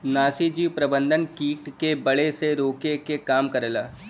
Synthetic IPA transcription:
naːsid͡ʒiːʋpɾɐbə̃nd̪ʱənkiːʈkebɐɭeseɾoːkekekaːmkɐɾlaː

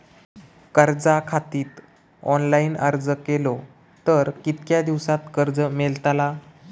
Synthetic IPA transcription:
kəɾd͡zakʰat̪iːt̪ | ɔ̰nlainəɾd͡zəkelo | t̪əɾkit̪kjad̪iʋsat̪kəɾd͡zəmelt̪ala

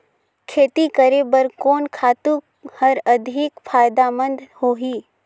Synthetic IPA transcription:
kʰeːt̪ikəɾebəɾkɔːnkʰaːt̪uk | həɾəd̪ʱɪkpʰaːjd̪amə̃nd̪hoːɦiː

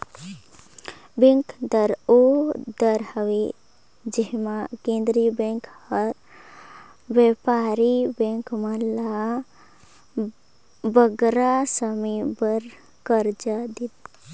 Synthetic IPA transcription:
bẽŋkd̪əɾod̪əɾhəʋe | d͡ʒeɦmãkẽnd̪ɾibẽŋkhəɾ | ʋjepaɾibẽŋkmə̃la | bəɡɾasəmibəɾ | kəɾd͡ʒad̪it̪

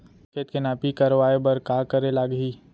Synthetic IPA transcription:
ket̪̚kenaːpikəɾʋaːebəɾkaːkəɾelaːɡɦiː

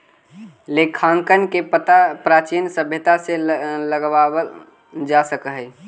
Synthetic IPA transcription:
lekʰːãŋkənkepət̪apɾat͡ʃinsəbʱjət̪aseləɡʋawə | d͡ʒasəkɦəj

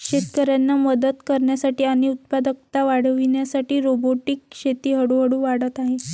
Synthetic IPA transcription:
kɕet̪kəɾjanːaməd̪ət̪kəɾɳjasaʈiːaɽ̃iut̪̚pad̪ək̚t̪aʋaɽ̤əʋiɳjasaʈiːɾoboʈiːkɕet̪iːɦəɽuɦəɽũːʋaɽət̪aɦe

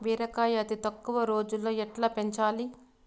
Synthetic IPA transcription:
ʋiːɾɐkaːjɐɐt̪it̪ɐkːuʋɐɾo̞ːd͡ʒulːoːɛʈlɐːpeɲt͡ʃaːli

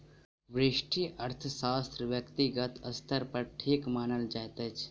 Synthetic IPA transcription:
ʋɾɪʃʈʰijɐɾt̪ʰəsaːst̪ɾəʋjɐkt̪iɡət̪ɐst̪ʰəɾpɐɾʈʰeːkmaːnəld͡ʒaːjt̪ət͡ʃʰ

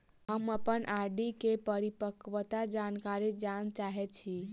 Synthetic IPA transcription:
ɦəməpənʔaɖikepəɾipəkʋət̪ad͡ʒankaɾid͡ʒant͡ʃaɦɛt͡ʃʰi

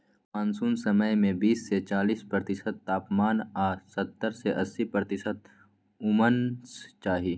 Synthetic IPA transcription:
aːnsuːnsɐməjmẽbiːsːet͡ʃaːliːspɾəɾt̪ɪsət̪ːaːpmaːnaːsɐt̪ːəɾseʔɐsːipəɾt̪ɪsət̪̚ | ʊmənst͡ʃaːɦi

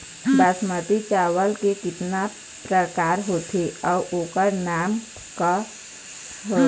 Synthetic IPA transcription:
d̪asmət̪it͡ʃaːʋəlkekɪt̪na | pɾəkaːɾɦoːt̪ʰeɔːɾʔoːkəɾnaːm | ka | ɦo

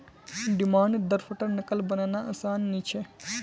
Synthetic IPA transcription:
ɖimaːɳɖd̪əɾfʰəʈəɾnəkəlbənaːnaʔəsaːnːit͡ʃʰe

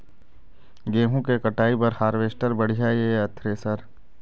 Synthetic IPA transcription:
ɡeːɦũkekəʈaːipɐɾhaːɾʋeːsʈəɾbəɽ̤ijaːeɐt̪ʰɾesəɾ

